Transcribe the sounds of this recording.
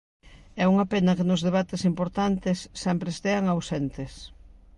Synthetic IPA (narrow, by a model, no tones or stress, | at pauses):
ɛuŋɐpenɐkenʊzðeβ̞at̪esimpoɾt̪ant̪ɪsːɛmpɾest̪eɐŋawsent̪ɪs